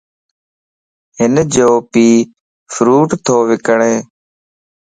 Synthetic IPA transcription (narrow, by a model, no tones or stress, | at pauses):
ɦɪnd͡ʒoːpiː | fʰɾuːʈt̪ʰoːʋɪkəɳeː